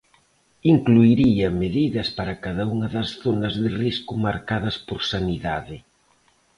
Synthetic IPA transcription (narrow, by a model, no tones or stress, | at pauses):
iŋkluiɾiɐmeðiðɐspaɾɐkaðɐuŋɐðɐsθonɐzðɪriskʊmaɾkaðɐspoɾsaniðaðɪ